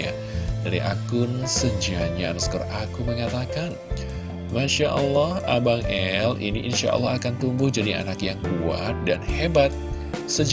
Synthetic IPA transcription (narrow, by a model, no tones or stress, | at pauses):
a̰ | daɾiʔa̰kʊnsəd͡ʒiaɲaːnaskɔrʔakuməŋat̪akan | maʃaʔəlːɔha̰baŋɛlḭniʔinʃa̰ʔə̰lːɔakant̪umbʊhd͡ʒadia̰nakjaŋkua̰t̪̚danhebat̪̚ | səd͡ʒ